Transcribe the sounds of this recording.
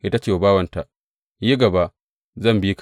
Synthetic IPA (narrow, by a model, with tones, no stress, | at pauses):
ʔɪ˦ta˦t͡ʃeː˦˨baː˦wɐ˨nta˨ʔ | ji˦ɡɐ˨ba˦ʔ | zɐ˦˨mbi˦k